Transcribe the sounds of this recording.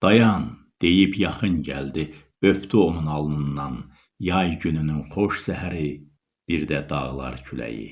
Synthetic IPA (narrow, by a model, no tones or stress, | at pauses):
d̪̥ɑjɑn | d̪̥e̞jipjɑχɯnɟæ̰ld̪i | øft̪ʰyonunɑlˠnɯnːɑn | jɑjɟynynynχoʃsæhæɾi | b̥iɾd̪æd̪ɑ̰ʁlˠɑ̰ɾcʰylæ̰jḭ